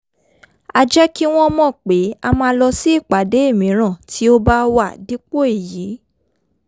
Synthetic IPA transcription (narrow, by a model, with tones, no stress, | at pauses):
a˧d͡ʒɛ˦ki˦w̃ɔ̃˦mɔ̃˦˨k͡pe˨˦a˧mãː˧˦lɔ˧si˦i˦˨k͡pa˨˦de˨˦e˦˨mĩ˨˦ɾ̃ã˦˨tʰi˨˦o˦ba˦wa˦˨di˨˦k͡po˦e˦˨ji˨˦